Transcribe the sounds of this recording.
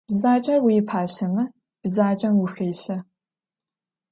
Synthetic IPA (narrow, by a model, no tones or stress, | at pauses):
b̥zaːt͡ʃʼɐrwiːɪpʰaːɕɐmɐ | b̥zaːt͡ʃʼɐmwʊxɐjɕɐ